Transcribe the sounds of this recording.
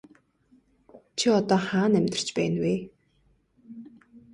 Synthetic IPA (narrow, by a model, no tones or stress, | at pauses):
t͡ɕʰiɔt̪ɔːχaːnæmʲt̪ə̆r̥t͡ɕpæːnweː